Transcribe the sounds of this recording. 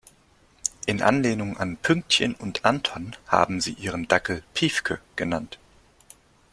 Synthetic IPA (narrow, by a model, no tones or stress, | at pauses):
ʔɪnʔa̰nleːnʊŋanpʰʏŋk̚tçə̰nʊntʔantʰɔnha̰ːbm̩zḭːʔiːʁ̞əndakl̩pʰiːfkʰəɡ̥ənant